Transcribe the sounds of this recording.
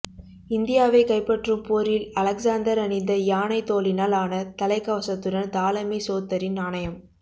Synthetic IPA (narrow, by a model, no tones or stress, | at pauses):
ɪnd̪ɪjaːʋɐɪkɐɪpːɐʈrɯmpoːɾɪlɐlɐksaːnd̪ɐɾɐnɪnd̪ɐjaːnɐɪt̪oːlɪnaːlaːnɐt̪ɐlɐɪkːɐːʋɐsɐt̪ːɯɽɐnt̪aːlɐmisoːt̪ːɐɾɪnaːɳɐjɐm